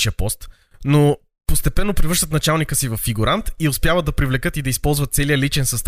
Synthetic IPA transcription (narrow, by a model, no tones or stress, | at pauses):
ʃiəpɔst̪ | no | post̪ɛpɛnːopɾivəɾʃt̪ət̪nɐt͡ʃalˠnikəsivɐfːiɡuɾant̪iʊspjavəd̪̚d̪ɐpɾivlɛkɤt̪id̪ɐispɔlˠzvɐt̪̚sɛlijəlit͡ʃɛnsɐst̪